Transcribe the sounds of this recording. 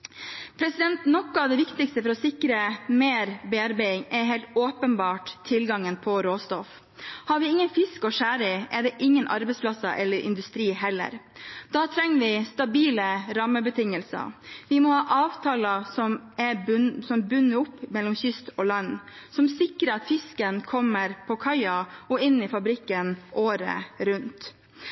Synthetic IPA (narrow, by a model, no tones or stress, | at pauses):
pʰɾɛsɪd̪ɛnt̪nɔkːɔɑʋd̪ɛʋɪkt̪ɪkst̪əfɔɾɔsɪkɾəmeːɾbɛɑɾbæɪɪŋɛɦeɪlt̪oːpənbɑːʈt̪ʰːɪlɡɑŋənpʰɔɾoːst̪ɔf | hɑɾʋɪɪŋːənfɪskɔʂæːɾɪʔɛɖɛːʔɪŋːənʔɑ̰ɾbɛɪspʰlɑsɑʔɛlːəɾʔɪ̰nd̪ʉst̪ɾiːhɛlːə̰ɾd̪̥ɑːt̪ʰɾɛŋːʋɪst̪ɑbiːləɾɑmːəbət̪ʰɪŋəlsɑ̰ʋɪmɔhɑːʔɑːʋt̪ʰɑːlɑsɔmɛsɔmbʉnːəʊpːmɛlːɔmçʏst̪ɔːlɑnː | sɔmsɪkɾəɑt̪fɪskənkʰɔmːəɾpʰɔkʰɑɪɑɔɪnːɪfɑbɾɪkːənʔoːɾə̰ɾʉnt̪